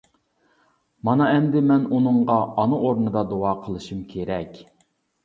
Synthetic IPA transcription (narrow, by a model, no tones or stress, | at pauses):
mɑnɑɛnd̪ɪmɛnunɨŋʁɑɑnuʔoɾnɨd̪ɑd̪oɑːqʰəlˠɨʃumkʲʰeɾɛkʲ